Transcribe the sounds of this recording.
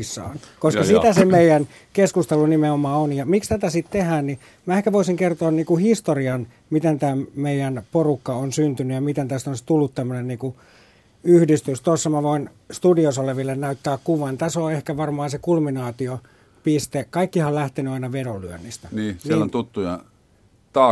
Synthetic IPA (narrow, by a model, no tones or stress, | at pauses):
sːɑ̰ːnkoskɑsit̪æsemeijæn | keskust̪elunimeomɑːonjɑmikst̪æt̪æsit̪t̪ehæːnni | mæehkæʋoisiŋkert̪oːnniːkuhist̪oriɑn | mit̪ent̪æːmeijænporukːɑonsynt̪ynyjɑmit̪ent̪æst̪onst̪ulːut̪t̪æmːønenniːku | yhdist̪yst̪osːɑmæʋoin | st̪udiosoleʋilːennæyt̪ːæːkkuʋɑnt̪æsoehkæʋɑrmɑːnsekulminɑːt̪io | pist̪ekɑikːihɑlæht̪enyɑinɑʋeɾolyø̰nːist̪æniːsnilont̪ut̪ːujɑ̰ | t̪ɑː